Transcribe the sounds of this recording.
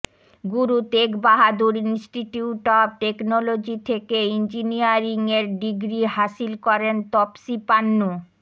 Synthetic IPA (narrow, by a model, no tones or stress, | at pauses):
ɡuɾut̪ekbaɦad̪uɾinsʈiʈiuʈɔb̚ʈeknɔlod͡ʑit̪ʰekeind͡ʑinijaɾiŋeɾɖiɡɾiɦasilkɔɾent̪ɔpsipanːu